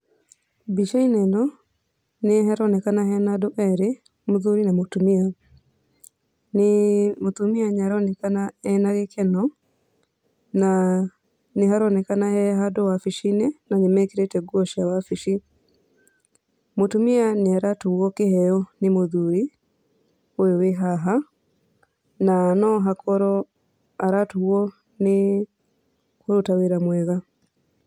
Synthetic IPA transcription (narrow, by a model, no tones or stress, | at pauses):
biʃainɛndɔ | neɦɛɾɔnekanaɦɛnadoʔɛɾe | moðuɾinamotumia | nemotumiaɲaɾɔnekanaɛnaɣekʰɛnɔ | na | neɦaɾɔnekanahɛɦadowafiʃinenaɲimɛkiɾetɛɡuɔʃiawafiʃi | motumianiaɾatuwɔkehɛjɔnimoðuɾi | ooweɦaɦa | nanɔɦakʰɔɾɔ | aɾatuwɔ | ne | koɾotaweɾamwɛða